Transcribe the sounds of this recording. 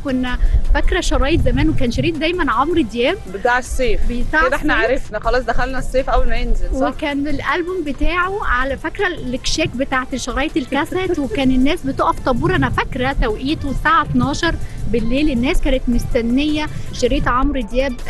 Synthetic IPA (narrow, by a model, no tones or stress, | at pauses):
konːæfækɾæʃɑɾˤɑːjet̪zæmæːnwekæːnʃɑɾiːt̪̚d̪æjmænʕomɾd̪jæːbbet̪aːʕsˤːeːfbsaʕed̪æeħnæʕaɾˤefnæxɑlɑːsˤd̪æxælnæsˤːeːfʔæwːælmæjenzelwekæːnbelʔælbombet̪aːʕoʕalæfækɾælekʃæːkbet̪aːʕet̪eʃɑɾˤɑːjet̪elkæsæwekæːnenːæːsbet̪oʔæft̪ˤɑbuːɾˤʔænæfækɾæt̪æwʔiːt̪saːʕat̪nɑːʃɑɾˤbelːeːlenːæːskæːnet̪mʊst̪ænːejːæʃɑɾiːt̪ʕomɾd̪jæːb̚